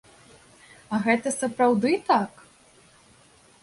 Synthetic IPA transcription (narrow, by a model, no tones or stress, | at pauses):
ɐɣɛt̪ɐsɐpɾawd̪ɨt̪ak